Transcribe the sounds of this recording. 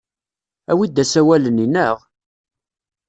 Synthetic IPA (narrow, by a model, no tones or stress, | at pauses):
æwid̪ːæsæwæləninəʁ